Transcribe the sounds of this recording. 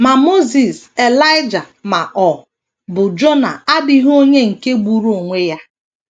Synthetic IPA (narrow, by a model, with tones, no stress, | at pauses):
ma˨mo˦zi˨se˨la˦ɪ˦d͡ʒa˨ma˨ʔɔ˨ | bʊ˨d͡ʒo˦na̰˨a˦bi˦ɦo˦ɲe˦ŋ̩˨ke˦ɡ͡bu˦ɾu˦o˨ŋʷe˦ja˦